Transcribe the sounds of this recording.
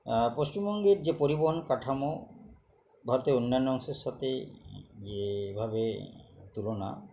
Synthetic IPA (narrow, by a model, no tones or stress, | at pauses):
poʃt͡ɕimbɔŋɡeɾd͡ʑepoɾiboɦonkaʈʰamo | bʱaɾot̪eonːanːɔŋʃeɾʃat̪ʰe | d͡ʑebʱaβet̪ulona̰